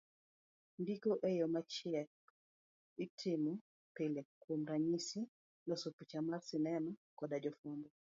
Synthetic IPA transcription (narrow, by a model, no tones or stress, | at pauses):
ndikoʔejɔmat͡ʃɛk | itʰɪmu | pilekwomɾaɲisi | nɔsuput͡ʃamarsɪnɛnɔkɔdad͡ʒɔfundɔ